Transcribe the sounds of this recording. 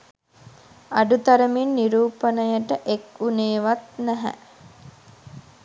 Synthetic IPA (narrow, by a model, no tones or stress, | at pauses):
aɖut̪aɾəminːiɾuːpənəjəʈəʔekuneːʋat̪næɦæ̰